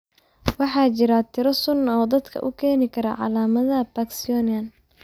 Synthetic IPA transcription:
wɑħɑːt͡ʃɪɾat̪ʰɪɾɐsʊnːɐɔːd̪ɐd̪kʰɐ̰ʔʊ̰kʰɛːnɪkʰɐɾɐʕɑ̰laːmɐðɐbaksɪɔnɐn

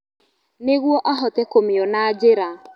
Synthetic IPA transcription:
neɣwɔʔaɦɔtɛkomeɔnaːd͡ʒeɾa

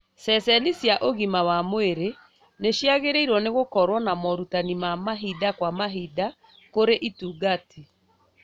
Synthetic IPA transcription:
sɛsɛnisjaʔoɣimawamweɾe | neɕjaɣeɾeiɾwɔneɣokɔɾwɔnamɔɾutanimamaɦidakwamaɦida | koɾeʔituːɡati

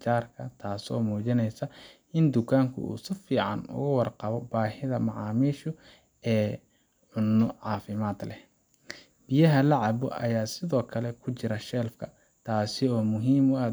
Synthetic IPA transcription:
t͡ʃaːrkʰɐt̪ʰaːsɔ̰ːmɔːt͡ʃɪnɛjsɐ | ɪnd̪ʊkʰaːŋkʰʊ̰ṵːsɪfiːʕɑnʊ̰ɣʊwɑrqɑβɔbaːhɪðɐmɑʕɑːmiːʃʊ | ɛː | ʕʊnːɔʕɑːfɪmaːd̪lɛ̰ | bɪjɐɦɐlɐʕɑbɔ̰ʔɐjaːsɪðɔːkʰɐlɛkʰʊt͡ʃɪɾɐʃɛːlfkʰɐ | t̪ʰaːsɪɔːmʊɦiːmɔa

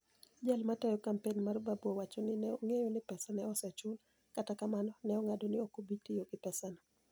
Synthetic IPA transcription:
d͡ʒalmatɛjɔkampenmarbabwɔwat͡ʃonɪnɛoŋejonɪpɛsanɛɔsɛt͡ʃʊl | katakamanɔnɛɔŋadonɪokobitijoɡɪpɛsanɛ

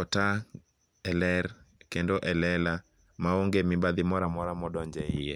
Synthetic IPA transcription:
ɔta | ɛlɛɾkendoʔɛlɛla | maoŋɡemɪbad̪ɪmɔɾamɔɾamɔɗɔɲd͡ʒɛɪje

